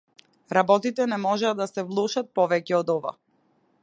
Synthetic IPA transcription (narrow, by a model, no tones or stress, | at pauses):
ɾabɔt̪it̪ɛnɛmɔʒɛad̪asɛvlˠuʃat̪̚pɔvɛcɛɔd̪ɔva̰